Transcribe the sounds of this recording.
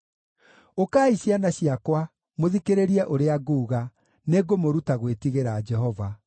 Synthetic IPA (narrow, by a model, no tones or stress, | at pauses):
okaːiɕianaɕiakwa | moðikeɾeɾiɛʔoɾeaɡuːɣa | neɡomoɾutaɣwetiɣeɾad͡ʒɛɦɔva